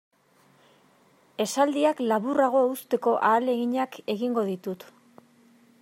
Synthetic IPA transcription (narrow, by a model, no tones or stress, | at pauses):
e̞sald̪iaklaβuraɣ̞o̞eust̪e̞ko̞ʔaːle̞ɣiɲake̞ɣiŋɡo̞ðit̪ut̪